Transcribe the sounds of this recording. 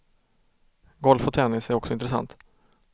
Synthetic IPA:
ɡɔlfɔt̪ʰɛnɪsæɾɔksɔɪnt̪ɾɛsa̰nt̪

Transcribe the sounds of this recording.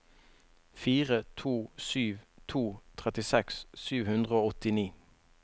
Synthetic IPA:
fiːʁət̪ʰuːsyːʋt̪ʰuːt̪ʰʁɛt̪ɪsɛkssyːʋhʉnd̪ʁəoːɔt̪ɪniː

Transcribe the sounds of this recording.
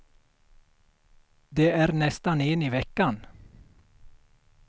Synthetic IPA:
d̪eːʔæːɾnɛst̪anɪniːʋɛkːan

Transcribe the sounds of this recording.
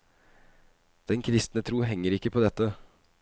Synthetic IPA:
d̪̥ɛnkʰɾɪst̪nət̪ʰɾuːɦɛŋːəɾɪkːəpʰɔd̪ɛt̪ːə

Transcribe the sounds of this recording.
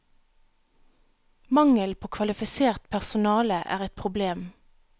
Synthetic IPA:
mɑŋəlpʰoːkʰʋɑlɪfɪseːʁt̪pʰæʁsʊnɑːləʔæ̰ːʁɛt̪̚pʰʁʊbleːm

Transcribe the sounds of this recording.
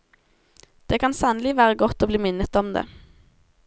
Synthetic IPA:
d̪̥eːkʰɑnsɑːnəlɪʋæːʁəɡɔt̪ːoːbliːmɪnːət̪ɔmd̪ḛː

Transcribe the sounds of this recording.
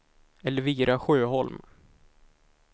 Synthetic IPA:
ɛlːəɾviːɾaɧøːɦɔlm

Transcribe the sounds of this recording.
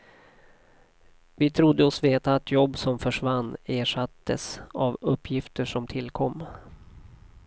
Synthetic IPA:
vɪt̪ʰɾʊd̪ːəɔsveːt̪aːt̪jɔbːsɔmfœʂvanːeːʂat̪ːə̰savɵpːjɪft̪əʂɔmt̪ʰɪlːkʰɔmː

